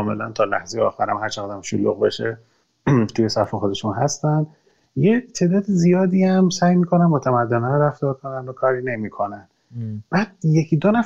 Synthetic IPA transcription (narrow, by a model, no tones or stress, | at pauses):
me̞lænt̪ʰɒːlæ̰hzejeɒ̰ːxæɾæmhæɾt͡ʃʰæɡɒːd̪æmʃulṵɣbe̞ʃe | t̪ʰiːjesæfexo̞d̪e̞ʃunɦæst̪ænd̪ | jet̪ʰe̞ːd̪ɒːd̪izijɒːd̪iːæmsæːjmiːkʰo̞nænmot̪ʰæmæd̪ːenɒnɾæft̪ɒːɾkʰo̞nænd̪okʰɒːɾine̞miːkʰo̞næn | b̥æːd̪̥̚je̞cʰid̪onæ